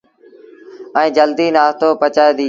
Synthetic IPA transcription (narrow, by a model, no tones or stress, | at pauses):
ɛ̃ːd͡ʒəld̪iːnaːɦt̪oːpət͡ʃaːeːd̪iː